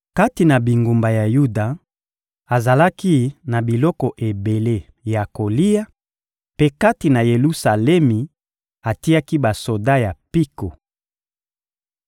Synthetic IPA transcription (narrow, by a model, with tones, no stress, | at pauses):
ka˦ti˨na˨bi˨ŋɡu˨mba˨ja˨ju˦da˨ | a˨za˨la˦ki˦na˨bi˨lɔ˦kɔ˨ʔe˨be˨le˦ | ja˨ko˨li˦ja˦ | pe˦ka˦ti˨na˨je˨lu˦sa˨lɛ˦mi˨ | a˨ti˦ja˦ki˦ba˨so˨da˦ja˨pi˦ko˨